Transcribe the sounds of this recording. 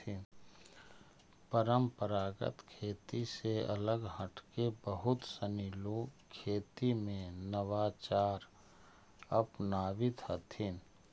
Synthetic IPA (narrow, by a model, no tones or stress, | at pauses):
ɪn | pəɾəmpəɾaːɡə̰t̪kʰeːt̪iseə̰ləɡɦəʈkebəɦʊt̪səniːlokʰeːt̪imẽnəʋat͡ʃaːɾ | əpnaːwɪt̪hət̪ʰɪn